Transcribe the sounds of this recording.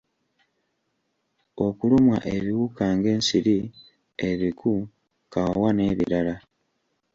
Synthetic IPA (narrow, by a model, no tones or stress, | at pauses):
o̞kulumwa̰ʔeβiwukaːŋɡe̞ːnsiɾi | eβikʰu | kawane̞βḭɾala